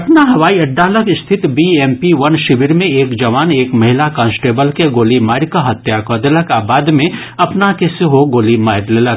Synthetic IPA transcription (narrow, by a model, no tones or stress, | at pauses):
ɐpnaɦɐʋaːiɐɖːaːləkɪst̪ʰɪt̪bieːmpiʋɐnʃɪʋɪɾmẽeːkd͡ʒɐʋaːneːkmɐɦɪlakãːnsʈeːbəlkeɡoːlimaːɪɾkaɦɐt̪jakɔːd̪ələkaːbaːd̪mẽ | ɐpnakeseɦoɡoːlimaːɪɾlelək